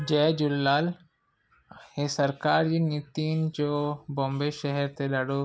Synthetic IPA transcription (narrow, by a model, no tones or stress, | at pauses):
d͡ʑɛːd͡ʒulːaːl | hesəɾkaɾinit̪ind͡ʒobombeʃɛɦɛɾt̪elɐɽo